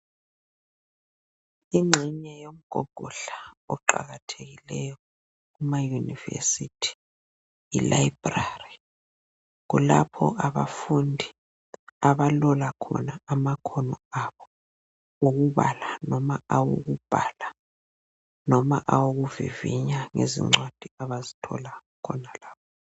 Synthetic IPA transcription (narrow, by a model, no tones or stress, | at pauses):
iŋ͡ǁʱiɲɛjom̩ɡ̥ʱɔ̰ɡ̥ʱɔɬaɔǃa̰ɣatʰeɣilɛjɔ | ɣumajunivḛsitʰi̥ | ḭlaib̥rari | ɣulapʰɔ̰ʔaβa̰fundʱi | aβalɔlakʰɔ̰naamakʰɔnɔaβɔ | oɣuβalanɔmaawo̰ɣub̥ʱala | nɔmaʔawoɣuvḭvḭɲaŋezḭŋ͡ǁwad̥ʱiaβazitʰɔ̰lakʰɔnalaːβɔ